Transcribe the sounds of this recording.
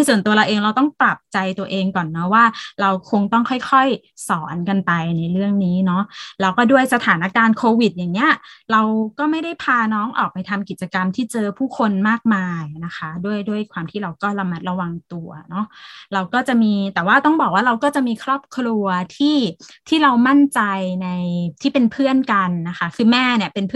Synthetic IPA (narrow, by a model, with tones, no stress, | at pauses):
iː˥˩su˨˩nt̪u˧ɐɾa˧wʔeː˧ŋɾa˧wt̪ɔ˥˩ŋpɾa˨˩p̚t͡ɕa˧jt̪u˧ɐʔeː˧ŋkɔː˨˩nːɔ˦˥waː˥˩ɾa˧wkʰo˧ŋt̪ɔ˥˩ŋkʰɔ˥˩jkʰɔ˥˩j | sɔː˩˦nka˧npa˧jna˧jɾɯ˥˩əŋniː˦˥nɔ˦˥ʔlɛː˦˥wkɔː˥˩du˥˩əjsa˧t̪ʰaː˩˦na˦˥kaː˧nkʰoː˧wi˨˩t̪̚jaː˨˩ŋni˦˥ɐɾa˧wkɔː˥˩ma˥˩jda˥˩jpʰaː˧nɔː˦˥ŋʔɔ̰ː˨˩k̚pa˧jt̪ʰa˧mki˨˩t̪̚t͡ɕa˧ka˧mt̪ʰiː˥˩t͡ɕɤː˧pʰuː˥˩kʰo˧nmaː˥˩k̚maː˧jna˦˥kʰa˦˥du˥˩əjdu˥˩əjkʰwaː˧mt̪ʰiː˥˩ɾa˧wkɔː˥˩ɾa˧ma˦˩t̪̚ɾa˧wa˧ŋt̪u˧ɐnɔ˦˥ɾa˧wkɔː˥˩t͡ɕa˨˩ʔmiː˧t̪ɛː˨˩waː˥˩t̪ɔ˥˩ŋbɔː˨˩k̚waː˥˩ɾa˧wkɔː˥˩t͡ɕa˨˩ʔmiː˧kʰɾɔː˥˩p̚kʰlu˧ɐt̪ʰiː˥˩t̪ʰiː˥˩ɾa˧wma˥˩nt͡ɕa˧jna˧jt̪ʰiː˥˩pe˧npʰɯ˥˩ənka˧nːa˦˥xʰa˦˥kʰɯː˧mɛː˥˩ni˥˩ɐpe˧npʰ